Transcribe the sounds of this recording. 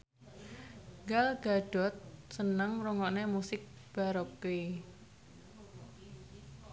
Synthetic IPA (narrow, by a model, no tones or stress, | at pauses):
ŋɡalɡ̥aɖ̥ɔ̤t̪̚sənəŋɾuŋɔʔnemusɪk̚ | b̥aɾɔke